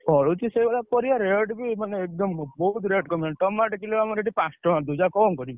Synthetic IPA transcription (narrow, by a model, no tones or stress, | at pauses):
ɔɭut͡ʃʰisebalapɔɾiaɾeɖbimaneːk̚d̪ɔmbɔɦut̪ɾeɖkɔmeɳʈʈɔmaʈkileamɔɾeɖipasʈɔmad̪ud͡ʒakɔŋkɔɾib